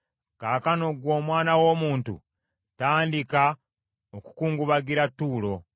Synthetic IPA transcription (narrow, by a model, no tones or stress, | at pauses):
kaːkano̞ɡwo̞ːmwaːnawo̞ːmuːntṵ | taːndika | oku̥kuːŋɡuβaɡiɾatːuːlo̞